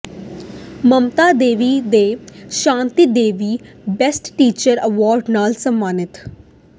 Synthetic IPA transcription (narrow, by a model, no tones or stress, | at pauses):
məmt̪aːd̪eːʋiːd̪eːʃãːnt̪iːd̪eːʋiː | bɛsʈʈiːt͡ʃəɾəʋɔːɾɖnaːlsəmːaːnɪt̪